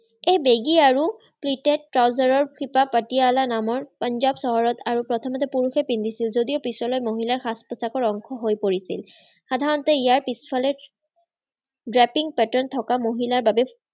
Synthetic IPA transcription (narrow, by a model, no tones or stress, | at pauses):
ejbeɡiaɹu | plitɛtːɹawzaɹɔɹkipapatijaɔlanamɔɹpɔnzabsɔɦɔɹɔtaɹupɹɔt̪ʰɔmɔtɛpuɹuxɛpindʱisilzodiopisɔlɔjmoɦilaɹxaspɔsakɔɹɔŋkʰɔɦojpoɹisḭl | xadʱaɹɔntɛijaɹpispʰalɛ | dɹɛpiŋpɛtɔɹntʰɔkamoɦilaɹbabɛ